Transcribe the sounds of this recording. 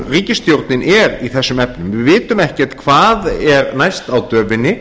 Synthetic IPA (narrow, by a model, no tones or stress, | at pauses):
riːcɪst̪jowɾt̪nɪnɛɾiθɛsːʏmɛpnʏmvɪvɪːt̪ʏmɛhcɛt̪kʰvaːðɛɾnajst̪awt̪œːvɪnɪ